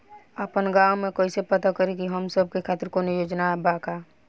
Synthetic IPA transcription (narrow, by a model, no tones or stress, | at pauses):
əpənɡawmẽkoːisepət̪akəɾikiɦəmsəb̚ʱkekʰaːt̪ɪɾkonijoːd͡ʒnabaka